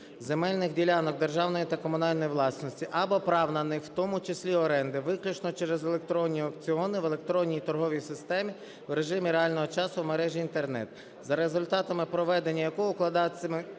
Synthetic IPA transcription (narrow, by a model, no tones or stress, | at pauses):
zemɛlʲnɪxdʲilʲɑnɔk̚d̪erʒɑwnɔjit̪ɐkɔmʊnɑlʲnɔjiʋlˠɑsnɔsʲtʲiʔɐbɔpɾɑwnɐnɪxwt̪ɔmʊt͡ʃesʲlʲiɔɾɛnd̪ɪʋɪklʲʊt͡ʃnɔt͡ʃɛɾɛzelˠek̚t̪ɾɔnʲːiɔkt͡sʲiɔnɪʋelˠe̞kt̪ɾɔnʲːijit̪ɔrɦɔʋʲijsɪst̪ɛmʲi | wɾe̞ʒɪmʲiɾeɑlʲnɔɦɔt͡ʃɑsʊwmeɾɛʒʲiːnt̪ernɛ̰t̪ | zɐɾezʊlʲt̪ɑt̪ɐmɪpɾɔʋɛd̪enʲːɐjɐkɔʊklˠɐd̪ɑt͡sʲːɐmɪ